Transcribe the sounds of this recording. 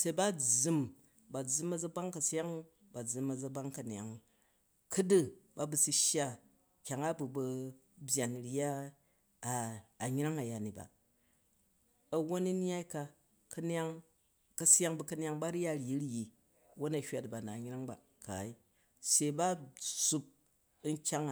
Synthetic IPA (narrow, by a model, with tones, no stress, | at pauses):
se˨˦ba˦d͡zu˦m | ba˨d͡zɨ˦mɐ˨d͡zɐ˦ba˦ŋkɐ˨sa˦ŋ | ba˨d͡zɨ˨mɐ˨d͡zɐ˦ba˦ŋkɐ˨n˨a˨ŋ | kɨ˦dɨ˦ba˦bu˨si˧˦ʃja˦ | kʲa˨ŋa˦bu˨bɐ˧ | bʲja˨n˨ɾa˦˨ | ɲ˦ɾa˦ŋa˨ja˨ni˨ba̰˨ | ɐ˨wo˦ni˦n˦a˦i˦ka˧ | kɐ˦n˦a˦ŋ | kɐ˨sa˦ŋbɐ˨kɐ˦nʲ˦a˧ŋba˦ɾja˦˨ɾji˨˦ɾji˨ | wo˦nɐ˨hʲʷa˨tba˨na˨ɲ˦ɾa˦ŋba˨ | ka̰˨i˦ | se˨i˨ba˦su˦p̚ | n̩˦kʲa˦ŋ˨